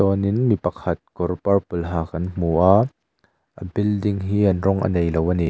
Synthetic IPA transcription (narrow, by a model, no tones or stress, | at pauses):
ɔninmipɐkʰɐt̪̚kɔrpɐrpulɦaːkɐnm̥uʔaː | ʔəbildiŋɦiːɐnrɔŋʔə̰nejlowəni